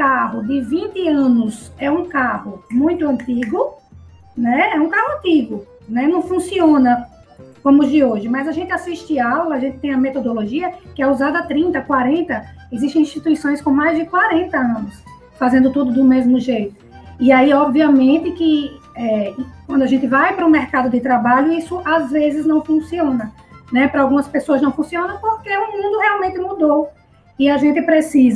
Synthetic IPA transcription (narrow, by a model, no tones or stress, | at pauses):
kaɦʊd̪ɪvĩnt̪ɪɐ̃nʊsɛũkahʊmũj̃t̪ʊɐ̃nt̪iɡʊ | nɛɛũkahʊɐ̃nt̪iɡʊ | nɛnɐ̃w̃fũsiõnɐ | kõmʊzd̪ɪoʒɪmɐjzaʒẽnt̪ɪasiʃt̪ɪawlɐːʒẽnt̪ɪ̥t̪ẽj̃ɐmet̪od̪oloʒiɐkɪɛuzad̪ɐt̪ɾĩnt̪ɐkwaɾẽnt̪ɐ | eziʃt̪ẽĩʃt̪it̪uisõj̃skõmajzd̪ɪkwaɾẽnt̪ɐɐ̃nʊs | fazẽnd̪ʊt̪ud̪ʊd̪ʊmezmʊʒejt̪ʊ̥ | iaiɔbviɐmẽnt̪ɪkɪ | ɛkwɐ̃d̪ʊaʒẽnt̪ɪvajpɾʊumɛɾkad̪ʊd̪ɪt̪ɾabaʎʊisʊʔazvezɪznɐ̃w̃fũsiõnɐ | nɛpɾɐawɡũmɐspesoɐznɐ̃w̃fũsiõnɐ̃poɾkeũmũnd̪ʊheawmẽnt̪ɪmud̪ow | iaʒẽnt̪ɪpɾesizɐ